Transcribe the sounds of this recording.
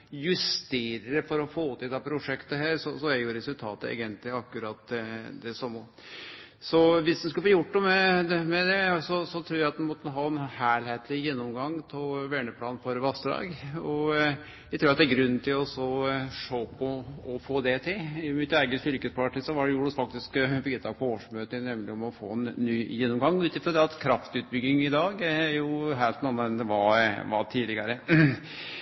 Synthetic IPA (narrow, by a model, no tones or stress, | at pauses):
jʉst̪eːɾəfɔɾɔfoːt̪ʰɪld̪ɛːpʰɾʊʂɛkt̪əɦæːɾsɔsɔæjuɾɛsʉlt̪ʰɑːt̪əḛːɡənt̪lɪɑkːʉɾɑt̪d̪ɛsɔmɔ | sɔʋɪsd̪ɛnskʉləfːjʊʈːd̪ɔmɛd̪ɛmɛd̪ɛsɔsɔt̪ʰɾuːɾjæɪɑt̪d̪ɛnmɔt̪ːɦɑːɛnhæːɭheːt̪ʰlɪjɛnːɔmɡɑŋːtʰɔʋɛːɳəpʰlɑːnfɔɾʋɑst̪əd̪ɑ̰ːɡɔ | jæɪt̪ʰʉːɾɑt̪d̪ɛæɾɡɾʉnːnt̪ʰɪlɔsɔʂoːpʰɔɔfoːd̪ɛt̪ʰɪlɪmɪt̪æɪɡəst̪ʏɾkəspʰɑʈɪsɔʋɑɖɛjuːɾɑsfɑk̚t̪ɪskbɪɡət̪ɑːɡ̚pʰɔoːʂmøːt̪ənɛmlɪɔmɔfo̰ːnːyːjɛnːɔmɡɑŋːʉːt̪ɪfɾɔd̪ɛɑt̪kʰɾɑft̪ʉːt̪̚bʏɡːɪŋɪd̪ɑːɡæɾjʊɦæɪlt̪nɑnːəɛnd̪ɛʋɑʋɑt̪ʰiːlɪɡɑɾə